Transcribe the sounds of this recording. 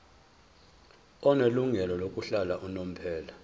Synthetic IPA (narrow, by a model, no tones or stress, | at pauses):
ɔneluŋɛlɔlokʼuɬalaʔunom̩pʰɛːla